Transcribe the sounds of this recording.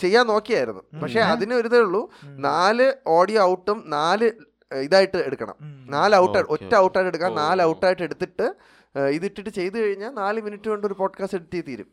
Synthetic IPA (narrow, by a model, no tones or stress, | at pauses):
t͡ɕe̞jːaːnːo̞ːkːijaːjiɾunːṵpɐkʂe̞ɐðinɨɐɾuðeuɭːunaːlɨo̞ːɽijoːɐwʈːumnaːlɨ | iðaːjiʈːɨe̞ɽukːɐ̰ɳɐ̰mnaːlɨɐwʈːɐotːɐɐwʈːaːjʈːeɽukːaːnnaːlɨɐwʈːaːjʈːe̞ɽut̪ːiʈːɨ | iðiʈːiʈːɨt͡ɕe̞jt̪̬ukɐɻiɲːaːlnaːlɨminitːukoɳɖo̞ɾupo̞ːɖkaːsteɽut̪ːijt̪iːɾṵm